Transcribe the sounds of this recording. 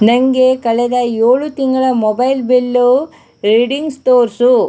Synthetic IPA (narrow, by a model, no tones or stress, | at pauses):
nɐŋɡekɐɭɛd̪ɐjoːɭut̪iŋɡɐɭɐmɔbɐjlbelːu | ɾeɖiŋɡst̪oːɾsu